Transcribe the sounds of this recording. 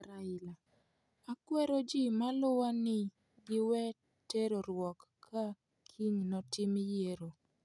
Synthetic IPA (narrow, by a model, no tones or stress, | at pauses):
ɾaɪla | akwɛɾod͡ʒimalʊwanɪ | ɡɪwɛ | teɾoɾwɔkʰːa | kʰiɲnɔtɪmjeɾo